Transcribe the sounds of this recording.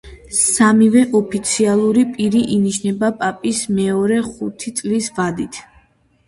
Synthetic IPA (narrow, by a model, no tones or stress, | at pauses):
samivɛʔɔpʰit̪sʰialˠuɾipʼiɾiʔiniʃnɛbapʼapʼismɛɔɾɛχut̪ʰit̪sʼlisvad̪it̪ʰ